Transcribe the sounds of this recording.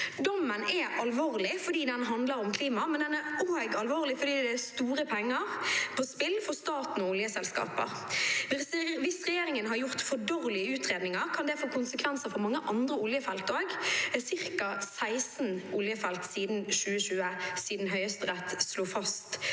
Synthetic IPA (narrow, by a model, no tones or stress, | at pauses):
d̪ɔmːənɛʔɑlʋoːʁlɪfɔd̪iːd̪ɛnɦɑnd̪ləɾɔmkʰliːmɑmɛnd̪ɛnɛɡɑlʋoːʁlɪfɔd̪iːd̪ɛæst̪uːɾəpʰɛŋːɑʁpʰɔspɪlfɔɾst̪ɑːt̪n̩ɔʊljəsɛlskɑ̰ːpə̰ɾ | ʋɪsʋɪsʁɛjeːɾɪŋənɦɑɾjʊɾt̪fɔɖoːɾlɪəʉːt̪ɾeːd̪nɪŋɑʁkʰɑnd̪ɛfoːkʊnsəkʰʋɛnsəfɔɾmɑŋːəʔɑnd̪ɾəʊljəfɛlt̪oːɡsɪɾkɑsæɪsn̩ʔʊljəfɛlt̪siːd̪n̩ʃʉːəʃʉːəsiːd̪n̩ɦœʏəst̪əɾɛt̪sloːfɑst̪